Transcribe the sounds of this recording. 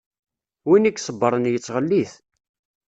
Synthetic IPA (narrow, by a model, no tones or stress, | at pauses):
winikːsˤəbːəɾˤənjət͡sːʁəlːiθ